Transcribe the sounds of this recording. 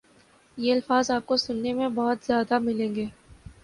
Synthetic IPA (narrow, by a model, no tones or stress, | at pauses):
jeɐlfaːzaːp̚kosʊnːemẽbɔːʊt̪z̥jaːd̪amɪlẽːŋɡeː